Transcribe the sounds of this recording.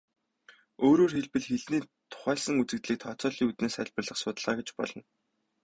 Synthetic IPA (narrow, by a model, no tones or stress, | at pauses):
oːɾoːrxeɮpɘ̆ɮxeɮniːt̪ʰʊ̥χæːɮsə̆ŋut͡sɘ̆kt̪ɮiːk̚t̪ʰɔt͡sɔːɮiːŋut̪neːsχæɮʲpə̆rɮə̆χsʊːt̪ə̆ɮʁaːɡet͡ɕpɔ̰ɮɞ̆n